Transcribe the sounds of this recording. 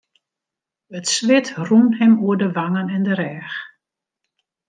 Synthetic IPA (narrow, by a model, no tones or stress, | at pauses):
ətsʋɪtrunɦɛmuəɹdəʋaŋənɛndəɾɛːx